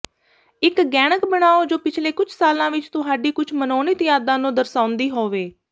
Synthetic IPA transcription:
ɪkɡɛːɽ̃əkbəɳaːoːd͡ʒoːpɪt͡ʃʰleːkʊt͡ʃʰsaːlãːʋɪt͡ʃt̪ʊɦaːɖiːkʊt͡ʃʰmənoːniːt̪jaːd̪ãːnũːd̪əɾsãːʊnd̪iːɦoːʋeː

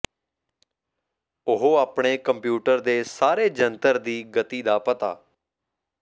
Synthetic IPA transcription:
ʊɦoaːpɳ̃eːkəmpjuːʈəɾd̪eːsaːɾeːd͡ʒənt̪əɾd̪iːɡət̪iːd̪aːpət̪a̰ː

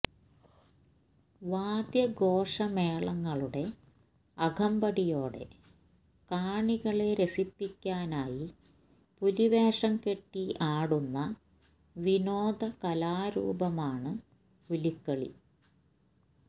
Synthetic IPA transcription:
ʋaːd̪jɐɡo̞ːʂɐmeːɭɐŋːɐɭuɽe̞ | ɐɡʱɐmbɐɽijo̞ːɽe̞̰ | kaːɳiɣɐɭe̞ɾesipːikʲːaːnaːji | puliʋeːʂɐmke̞ʈːiaːɽunːɐ | ʋinoːd̪ʱɐkɐlaːɾṵːbɐmaːɳɨ | ulikːɐɭḭ

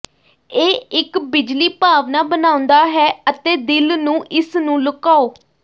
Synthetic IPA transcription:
eːɪkbɪd͡ʒliːpaːʋnaːbənãːʊ̃nd̪aːɦɛːət̪eːd̪ɪlnũːʔɪsnũːləkaːoː

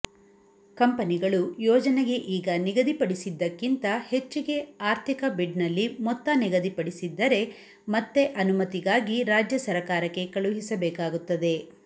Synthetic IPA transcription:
kɐmpɐniɡɐɭujɔːd͡ʒɐneɡe̞ʔiːɡɐniɡɐd̪ipɐɽisid̪ːɐkːint̪ɐhe̞t͡ʃːiɡe̞aːɾt̪ʰikɐbiɖnɐlːimɔt̪ːɐniɡɐd̪ipɐɽisid̪ːɐɾe̞ | mɐt̪ːe̞ʔɐnumɐt̪iɡaːɡiɾaːd͡ʒjɐsɐɾɐkaːɾɐkːe̞kɐɭuɦisɐbɛːkaːɡut̪ːɐd̪e̞

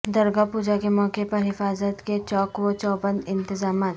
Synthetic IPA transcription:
d̪ɐɾɡapuːd͡ʒakemɔːkepɐɾɦɪfaːzət̪ket͡ʃɔːkwot͡ʃɔːbənɪ̃nt̪ɪzaːmaːt̪

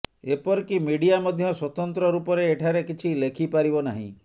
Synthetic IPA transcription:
epɔɾkimiɽiamɔd̪ʱjɔswɔt̪ɔnt̪ɾɔɾupɔɾeːʈʰaɾekit͡ʃʰilekʰipaɾibɔnaɦḭ̃

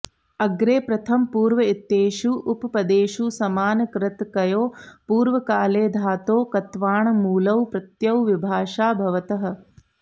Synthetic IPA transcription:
ɐɡɾeːpɾɐt̪ʰɐmpuːɾʋɐit̪ːeːʃuʔːpɐpɐd̪eːʃusɐmaːnɐkɾɪt̪kɐjoːpuːɾʋɐkaːleːd̪ʱaːt̪oːkɐt̪ʋaːɳɐmuːlɐwpɾɐt̪jɐwʋibʱaːʂaːbʱɐʋɐt̪ɐɦɐ̆

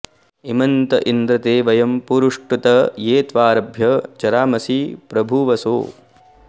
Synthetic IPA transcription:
imɐnt̪ɐ̰ʔind̪ɾɐt̪eːʋɐjɐmpuɾuʂʈut̪ɐjeːt̪ʋaːɾɐbʱjɐt͡ʃɐɾaːmɐsiːpɾɐbʱuʋɐso̰ː

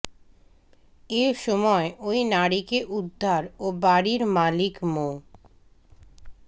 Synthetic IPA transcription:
eɾʃɔmɔeʔojnaɽikeʔud̪ʱːaɾobaɾiɾmalikmo

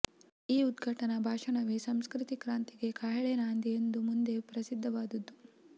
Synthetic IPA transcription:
iːud̪ɡʱɐʈɐnɐbʱaːʂɐɳɐʋesɐmskɾit̪ikɾaːnt̪iɡe̞kʰɐɦɐɭenaːnd̪ijend̪umund̪e̞pɾɐsid̪ʱːɐʋaːd̪ud̪ːu

